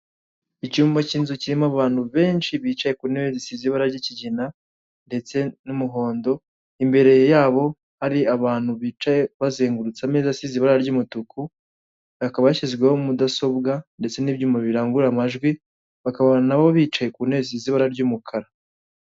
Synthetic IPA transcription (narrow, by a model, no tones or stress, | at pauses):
icuːmbaciːnzuciɾimoaβaːn̥huβe̞ːnʃiβiːt͡ʃaje̞kuːneβezisiziβaɾaɾɟiciɟina | nde̞t͡se̞numuɦo̞ːndo̞ | imbe̞ɾe̞jjaːβo̞ | haɾiaβaːn̥huβiːt͡ʃaje̞βazeːŋɡuɾut͡sameːzasiziβaɾaɾɟuːmutukʰu | βakaβajaʃizɡwehoumudaso̞bɡande̞t͡se̞niːbjuːmaβiɾaːŋɡuɾamaʒɡwi | βakaβaanaβo̞βiːt͡ʃaje̞kune̞ziziβaɾaɾɟuːmukʰaɾa